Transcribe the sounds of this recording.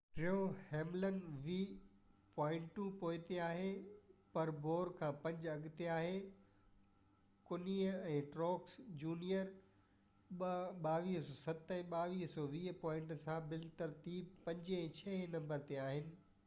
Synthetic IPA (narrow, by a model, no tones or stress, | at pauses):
ʈɾioheːmlənʋiː | pɔːɪ̃ɳʈʈũpoːɪt̪eaːɦepɐɾboːɾkʰãːpɐ̃ɲd͡ʑɐɠɪt̪eaːɦe | kʊniːɛ̃ːʈɾɔːksd͡ʑuːnijəɾ | ɓɓaːʋiːɦsɔːsɐt̪ɦɛ̃ɓaːʋiːɦsɔʋiːɦpɔːɪ̃ɳʈsãbɪlt̪əɾt̪iːpɐ̃ɲd͡ʑɛ̃ːt͡ɕʰɛːnɐ̃mbəɾt̪eaːɦɪnɪ̆